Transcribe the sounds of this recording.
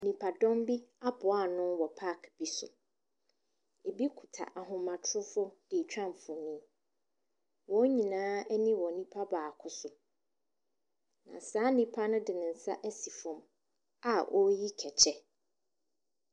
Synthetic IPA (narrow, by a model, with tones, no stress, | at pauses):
nĩ˨pʰa˨dɔ̃˦mbi˦a˦bʊ˨a˦˨nʊ̃˦wɔ˨pʰa˦˨kb̥i˦sʊ˨ | e˨bi˦kʰu˨tʰa̰˨ʔa˨ɦʊ̃˨mã˨tʰʊ˦ɾʊ˦fʊ˦d̥ɪ˨t͡ɕᶣã˦m˨fʊ˨nĩ˦ | wɔ˦ɲĩ˨nãː˦ɛ˦nĩ˦wɔ˨nĩ˦pʰa˦baː˨kʰʊ˦sʊ˨ | nã̰˨saː˦nĩ˦pʰa˦nʊ̃˦dɪ˨nɪ̃˨n̩˨sa̰˦ʔɛ˦si˨fʊ̃˨m | a˨ʔɔ˦ji˦kʰɛ˨t͡ɕʰɛ˦